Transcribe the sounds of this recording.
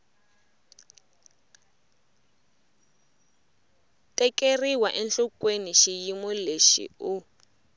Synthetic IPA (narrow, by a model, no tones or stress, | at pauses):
tʼɛkeriwaʔɛnɬɔkweniʃijimɔleʃḭu